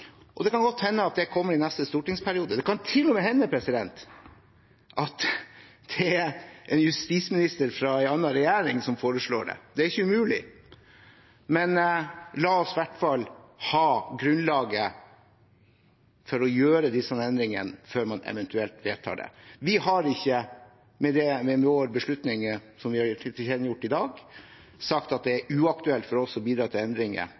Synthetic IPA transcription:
ʔɔd̪ɛkɑnɡɔt̪ːhɛnːəɑt̪̚d̪ɛkʰɔmːəɾɪnɛst̪əst̪uːʈɪŋspʰæɾɪuːd̪əd̪ɛkɑnt̪ʰɪlːɔmeːɦɛnːəpʰɾɛsɪd̪ɛnt̪ | ʔɑt̪ | d̪̥ɛɛæʔɛnjʉst̪ismɪnɪst̪əɾfɾɑæɪɑnːɑɾɛjæːɾɪŋsɔmfoːɾəʂɭo̰ːɖɛ̰d̪̥ɛæɾɪçːəʉmʉːlɪ̰ | mɛnlɑːɔsɪʋæʈfɑlhɑːɡɾʉnlɑːɡə | fɔɾɔjøːɾəd̪ɪsːɑnɛnd̪ɾɪŋə̰nføːɾmɑnɛ̰ʋɛnt̪ʉɛlt̪ʋeːlt̪ʰɑ̰ːɖɛ̰ʋɪhɑɾɪçːə | mɛd̪ɛmɛmɛoːɾbəʂɭʉt̪nɪŋsɔmʋɪhɑɪt̪ʰɪɛːd̪njʊʈːɪd̪ɑːɡ | sɑkt̪ɑt̪̚d̪ɛæɾʉːɑk̚t̪ʉɛlt̪fɔɾɔsɔbiːd̪ɾɑːt̪ʰɪlɛnd̪ɾɪŋə̰

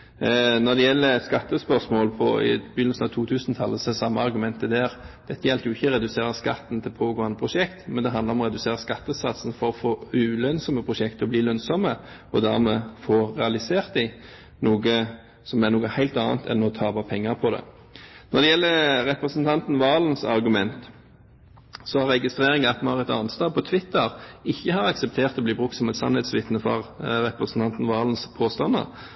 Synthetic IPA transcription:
nɔd̪ɛjɛlːəskɑt̪ːəspœsmoːlpʰɔ̰ɪ̰bʏnəsnɑʋt̪ʰuːt̪ʰʉːsnt̪ʰɑlːəsɔɛsɑmːəɑɾɡʉmɛnt̪əd̪æːɾd̪̥ɛt̪ːəjɛlt̪jʊɪçːəɾɛd̪ʉseːɾəskɑ̰t̪ːn̩t̪ʰɪlpʰoːɡoːɑnd̪əpʰɾʊʂɛkt̪mɛnd̪ɛɑnd̪əɾɔmɔʁɛd̪ʉseːɾəskɑt̪ːəsɑt̪sn̩fɔɾɔfoːʉːlœnsɔməpʰʁʊʂɛkt̪ɔbliːlœnsɔmə | ɔd̪æʁmɛfoːʁɛɑlɪseːʁt̪d̪ɪ | nuːɡə | sɔmɛnuːɡəhæɪlt̪ɑːnt̪ʰɛ̰nːɔʁɔt̪ʰɑːbɑpʰɛŋːəɾpʰɔd̪ɛ̰ | nɔɾd̪ɛjɛlːəɾɛpɾəsnt̪ʰɑnt̪n̩ʋɑːln̩sɑ̰ɾɡʉmɛnt̪ | sɔhɑɾɛɡɪst̪ʁeːʁɪŋəɑt̪mɑnhɑʁɛt̪ɑ̰ːnst̪ɑːpʰɔt̪ʰʋɪt̪ːəɾɪçːəhɑːɾɑksɛp̚t̪ʰeːʁt̪ɔbliːbʁʉk̪sɔmɛɪt̪sɑ̰nhɛt̪sʋɪt̪nəfɑ̰ʁɾɛpʁəsn̩t̪ɑnt̪n̩ʋɑːlən̩spʰoːst̪ɑnːə̰ɾ

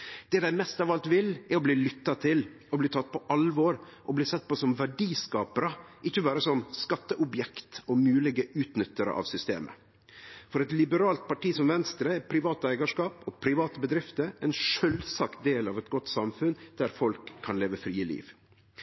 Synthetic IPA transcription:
d̪̥ɛd̪æɪmɛst̪ɑʋɑlt̪ʋɪlɛɾɔbliːlʏt̪ːɑt̪ʰɪl | ɔbliːt̪ʰɑt̪̚ːpʰɔʔɑlʋoːɾʔɔbliːsɛt̪̚ːpɔsɔmʋæɖiːskɑːpəɾəʔɪçːəbɑːɾəsɔmskɑt̪ːəʔʊbjɛkt̪ɔmʉːlɪɡəʉːt̪nʏt̪ːəɾə̰ʔɑ̰ːʋsʏst̪ḛːmə̰ | fɔɾɛt̪lɪbəɾɑːlt̪̚pɑʈiːsɔmʋɛnst̪ɾəpʰɾɪʋɑːt̪əæɪɡɑʂkɑːpɔpʰɾɪʋɑːt̪əbəd̪ɾɪft̪əɾæɪnʂœlsɑkt̪̚d̪eːlɑʋɛt̪ɡɔt̪ːsɑmfʉnd̪̥æɾfɔlkʰːɑnleːʋəfɾiːəlḭːʋ

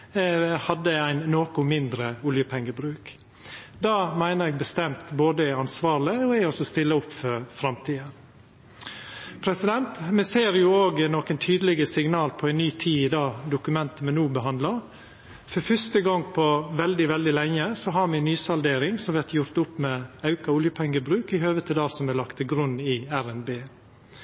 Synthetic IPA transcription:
hɑd̪ːəæɪnːoːkʊmɪnd̪ɾəʊljəpʰɛŋːəbɾʉːk | d̪ɑːmæɪnəɾɛːɡ̚bəst̪ɛmt̪boːd̪əæɑnsʋɑːɾɭɪɔɛɔsɔst̪ɪlːəʊpːfœɾfɾɑmt̪ʰiːə | pʰɾɛsɪd̪ɛnt̪mɛseːɾjʊoːɡnɔːkənt̪ʰyːd̪əlɪɡəsɪŋnɑːlpʰɔæɪnyːt̪ʰiːɪd̪ɑːd̪ʊkʉmɛnt̪əmɛnuːbəɦɑnd̪lɑɾ | fɔɾfœʂt̪əɡɑŋːpʰɔʋɛld̪ɪʋɛld̪ɪlɛŋːəsɔɦɑɾmɛnyːsɑld̪eːɾɪŋsɔmʋɛɾt̪jʊɾt̪ʊpːmɛɑʉkɑʊljəpʰɛŋːəbɾʉːkɪhøːʋət̪ʰɪd̪ɑːsɔmɛlɑkt̪ʰɪlɡɾʉnːɪæɾɛnbeː

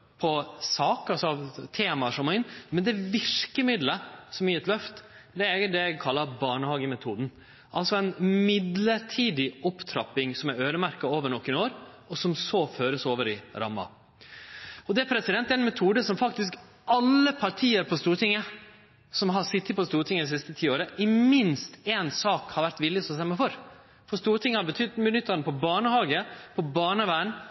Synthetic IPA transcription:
pʰɔsɑːkɑlsɔɑʋt̪ʰeːmɑʂɔmɔɪnmɛnd̪ɛʋɪɾkəmɪd̪ləsɔmjɪɾɛt̪lœft̪d̪ɛæɾɛɡəd̪ɛækʰɑlːɑɾbɑːɳəhɑːɡəmɛt̪ʰuːd̪n̩ | ʔɑlsɔɛɪnmɪd̪ləɾʈʰiːd̪ɪɔpːt̪ʰɾɑpːɪŋsɔmæɾøːɾəmæɾkɑoːʋəɳɔkːɪnoːɾ | ɔsɔmsɔføːɾəsoːʋəɾɪɾɑ̰mːɑ̰ | ɔd̪ɛæɾpʰɾɛsɪd̪ɛnt̪ːɛæɪnmɛt̪ʰuːd̪əsɔmfɑkt̪ɪsk | ɑlːəpʰɑɾʈʰiːəɾpʰɔst̪uːɾʈ̪ɪŋːə | sɔmɦɑɾsɪt̪ːɪt̪pʰɔst̪uːɾʈ̪ʰɪŋːəd̪ɛsɪst̪ət̪ʰiːoːɾəʔɪmɪnst̪eːnsɑːkhɑɾʋæɾt̪ʋɪlːɪsɔst̪ɛmːəfɔɾ | fɔɾst̪uːɾʈ̪ʰɪŋːəhɑɾbət̪ʰʏd̪mɪd̪nʏt̪ːɑnəpʰɔbɑːɳəhɑːɡəpʰɔbɑːɳəʋæːɳ

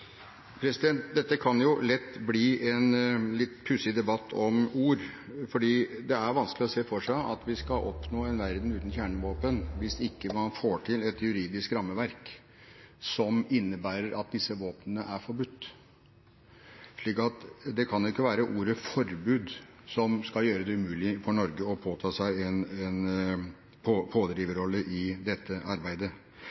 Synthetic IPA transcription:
pʰɾɛsɪd̪ɛnt̪̚d̪ɛt̪ːəkʰɑnjʊlɛt̪ːbliːʔɛnlɪt̪ːpʰʉsɪd̪ɛbɑt̪ʰːɔmuːɾfɔɖiːd̪ɛæɾʋɑnsklɪɔseːfɔʂæɪʔɑt̪ʋɪskɑlʔɔpnoːɛnʋæɾd̪n̩ʉːt̪n̩çjæːɳəʋoːpənʋɪsɪkːəmɑnfoːʈʰɪlɛt̪jʉɾiːd̪ɪskɾɑmːəʋæɾk | sɔmɪnːəbæːɾəɾɑt̪̚d̪ɪsːəʋoːpnənəʔæɾfɔɾbʉt̪ː | ʂɭiːkɑt̪d̪ɛkʰɑnjʊɪkːəʋæːɾəʔuːɾəfɔɾbʉːd̪ | sɔmskɑjøːɾəd̪ɛʉmʉːlɪfɔɳɔɾɡəɔpʰoːt̪ʰɑːsæɪɛnɛn | pʰopʰoːd̪ɾiːʋəɾɔlːəʔɪd̪ɛt̪ʰːəʔɑɾbæɪd̪ə

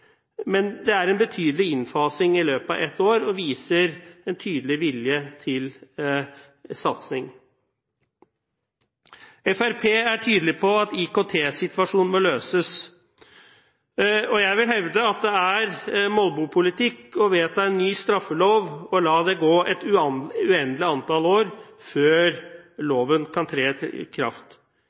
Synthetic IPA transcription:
mɛnd̪ɛæɾɛnbət̪ʰyːd̪əlɪɪnfɑːsɪŋɪløːpɑ̰ʋɛt̪ːoːɾɔʋiːsəɾɛnt̪ʰyːd̪lɪʋɪljət̪ʰɪl | sɑt̪snɪŋ | ɛfæɾpʰeːæʈʰyːd̪əlɪpʰɔɑt̪ɪkot̪ʰeːsɪt̪ʋɑʂuːnmɔløːsəs | ɔjæɪʋɪlɦɛʋd̪əɑt̪̚d̪ɛæɾmɔlbupʰʊlɪt̪ɪkːɔʋeːt̪ɑɛnːyːst̪ɾɑfːəloːʋɔlɑːd̪ɛɡoːʔɛt̪ʉɛnlɪɑnt̪ɑloːɾføːɾloːʋənkʰɑnt̪ʰɾeːkʰɾɑ̰ft̪

